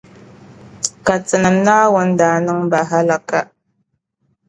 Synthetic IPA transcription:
ka˨t͡sə˨na˨mna˦wʊ˦nda˨nə˦ŋba˨ɦa˦la˦ka˦

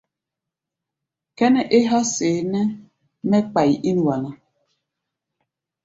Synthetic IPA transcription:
kɛ˦nɛ˨ʔe˦ɦa˦seː˨˦nɛ˦ | mɛ˦k͡pa˨ji˨ʔi˦n˨wa˨na˨

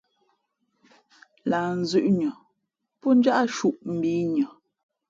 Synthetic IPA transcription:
laː˨n̩˨zʉ˨ʔɲə˨ | pɔ˦n̩˦d͡ʒa˦ʔa˦ʃu˦˨ʔm̩˨biː˨˦ɲə˨

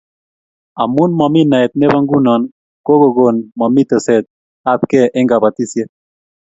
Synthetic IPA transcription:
a˨mu˦nma˨mi˦na˨ɛ˨t̪̚nɛ˦ba˦ŋɡu˦nɔ˨n | ko˦ɡo˨ɡo˨nma˨mi˦t̪ɔ˨sɛ˨t̪̚ | a˦t̪kɛ˦ʔɪ˦ŋɡa˨ba˨t̪i˦sje˦

